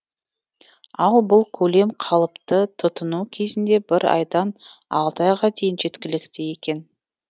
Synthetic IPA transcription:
ɑlˠbʊlˠkʲʰɵle̞mqʰɑlˠəpt̪ət̪ʰʊt̪ənukʲʰe̞zɪnd̪e̞bɪɾɑ̰jd̪ɑnɑ̰lˠd̪ɑjʁɑd̪ejɪnʒe̞t̪kʲɪlɪkt̪ɪje̞kʲe̞n

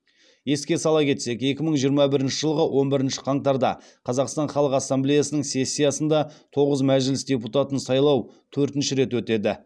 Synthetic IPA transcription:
je̞skʲe̞sɑlˠɑkʲʰe̞t̪se̞ke̞kʲɪməɴʒijəɾmɑbɪɾɪnʃɪʒəlˠəʁəwʔo̞nbɪɾɪnʃɪ̥qʰɑɴt̪ɑɾd̪ɑ | qʰɑzɑqst̪ɑnχɑlˠəqɑsːamblejasənəŋse̞sʲːijɑsənd̪ɑt̪ʰo̞ʁəzmæʒɪlɪsd̪ʲe̞put̪ɑt̪ənsɑjlˠɑwt̪ʰɵɾt̪ɪnʃɪɾe̞t̪wɵt̪e̞d̪ɪ

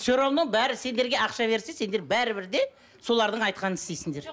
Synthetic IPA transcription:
soɾomnəɴbæɾɪse̞nd̪e̞ɾɡʲe̞ɑqʃɑve̞ɾsesend̪e̞ɾbæɾɪbɪɾd̪e̞ | so̞lˠɑɾd̪əɴɑjt̪̚qʰɑnənɪst̪ejsɪŋd̪e̞ɾ

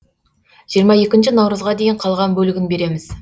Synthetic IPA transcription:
ʒ̥ijəɾmɑje̞kʲɪnʃɪnɑwɾəzʁɑd̪e̞jɪɴqʰɑlˠʁɑnbɵlɪɡʲɪnbe̞ɾe̞mɪz̥

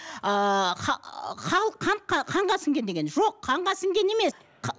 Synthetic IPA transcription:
əχɑqʰɑlˠqʰɑnt̪̚qʰɑqʰɑɴʁɑsəŋɡʲe̞nd̪e̞ɡʲe̞nʒo̞qʰːɑɴʁɑsəŋɡʲe̞ne̞me̞s | qʰ

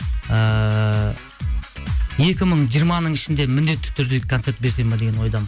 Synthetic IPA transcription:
ə | je̞kʲɪməɴʒijəɾmɑnəɴɪʃɪnd̪e̞mʏnd̪e̞t̪ːɪ̥t̪ʰʏɾd̪ekʰot̪se̞ɾt̪̚be̞ɾse̞med̪eɡʲe̞nwo̞jd̪ɑmz

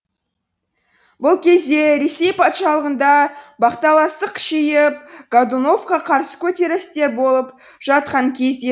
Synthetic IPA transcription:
bʊlˠkʲʰe̞zd̪e̞ɾe̞se̞jpʰɑt̪ʃɑlˠəʁənd̪ɑbɑqt̪ɑlˠɑst̪əqʃejɪp̚ɡad̪uno̞fqɑqʰɑɾsə̥kʲʰɵt̪e̞ɾɪst̪e̞ɾbo̞lˠəp | ʒ̥ɑt̪̚qɑŋkʲʰe̞zd̪e

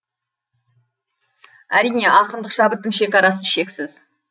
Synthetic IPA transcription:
æɾijne̞ʔɑqənd̪əqʃɑbət̪ːəŋʃe̞kʲɑɾɑsəʃe̞ksɪz̥

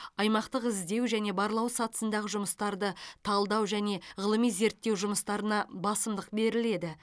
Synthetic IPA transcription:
ɑjmɑqt̪əqɪzd̪e̞wʒæne̞bɑɾlˠɑwsɑt̪ə̥sənd̪ɑʁəʒʊməst̪ɑɾd̪ət̪ʰɑlˠd̪ɑwʒæne̞ʁəlˠəmijze̞ɾt̪ːe̞wʒʊməst̪ɑɾənɑbɑsəmd̪əqbe̞ɾɪle̞d̪ɪ

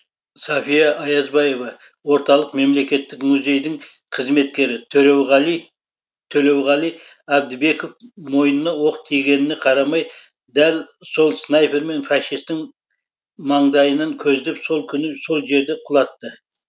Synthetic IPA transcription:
sɑfijɑʔɑjɑzbɑjevɑ | wo̞ɾt̪ɑlˠəqme̞mle̞kʲe̞t̪ːɪkmʊze̞jd̪ɪŋ | qʰəzme̞t̪̚kʲe̞ɾɪt̪ʰɵɾewʁɑi | t̪ʰɵle̞wʁɑlˠij | æb̚d̪ɪbe̞kofmo̞jənənɑwo̞qət̪ʰijɡʲe̞nɪnɪqʰɑɾɑmɑj | d̪ælso̞lˠsnɑjpe̞ɾme̞nfɑʃist̪ɪŋ | mɑɴd̪ɑjənəŋkʲʰɵzɪd̪ɪpso̞lˠkʲʰʏnɪso̞lˠʒe̞ɾd̪e̞qʰʊlˠɑt̪ːə

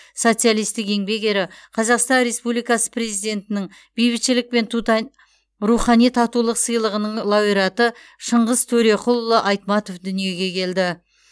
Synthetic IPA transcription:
so̞t̪sɨjalˠijst̪ɪke̞ŋbe̞ke̞ɾɪqʰɑzɑqst̪ɑnɾe̞spublijkɑsə̥pʰɾe̞zijd̪ʲe̞nt̪ɪnɪŋ | b̥ijbɪt̪ʃɪlɪk̚pe̞nt̪ut̪ | ɾuχɑnijt̪ʰɑt̪ulˠəqsəjlˠəʁənəɴlˠɑwiɾɑt̪ə | ʃəɴʁəzt̪ʰɵɾe̞qʰʊlˠːəʔɑjt̪mɑt̪o̞fd̪ʏnije̞ɡʲe̞kʲʰe̞ld̪ɪ

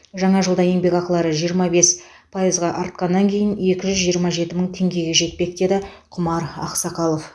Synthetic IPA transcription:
ʒɑɴɑʒəlˠd̪ɑje̞ŋbe̞kɑqlˠɑɾəʒijəɾmɑbe̞s | pʰajizʁɑʔɑɾt̪̚qɑnːɑŋkʲʰe̞jɪnje̞kʲɪʒʏzʒijəɾmɑʒe̞t̪ɪməɴt̪ʰe̞ŋɡʲe̞ɡʲe̞ʒe̞t̪̚pe̞k̚d̪e̞d̪ɪ | qʰʊmɑɾɑ̰qsɑqɑlˠo̞f

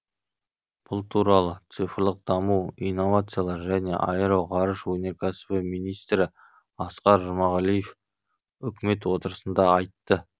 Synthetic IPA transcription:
b̥ʊlˠt̪ʰuɾɑlˠət̪sɨfəɾlˠəq̚d̪ɑmuijno̞vat̪sɨjalˠɑɾʒæne̞̰ʔɑjəɾəwʁɑɾəʃwɵne̞ɾkʲʰæsɪ̥bɪmijnijst̪ɾɪ | ɑsqɑɾʒʊmɑʁɑlˠijef | ʏkʲɪme̞t̪wo̞t̪əɾəsənd̪ɑɑjt̪ːə

